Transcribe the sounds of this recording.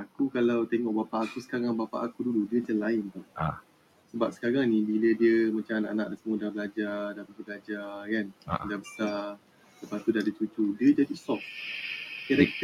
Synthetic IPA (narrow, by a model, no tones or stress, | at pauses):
akukalawt̪eŋɔʔbapaʔːkusə̥kaɾaŋbapa̰ʔakuduludiət͡ʃəlaɪnt̪ʊn | səbap̚sə̥kaɾaŋnĩbilədiəmat͡ʃaŋnaʔanã̰ʔdasəmudabəlad͡ʒadapibəɡlad͡ʒakanɡabəsa | ləpat̪udahdit͡ʃut͡ʃudiəd͡ʒadisɔf | kaɾɛk̚t̪